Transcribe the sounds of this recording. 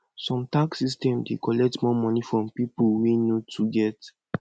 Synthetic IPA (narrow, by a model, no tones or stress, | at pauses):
sɔ̃mtaksistɛ̃mdekɔlɛk̚tmɔmɔnifɹɔ̃mpipulwinotʰuɡɛt